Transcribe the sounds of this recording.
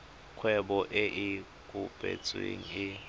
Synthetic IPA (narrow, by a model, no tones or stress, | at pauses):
kʰwɛɓɔʔɛʔɪ | kʼub̥ʼḛt͡sʼwḛŋ̩ɪ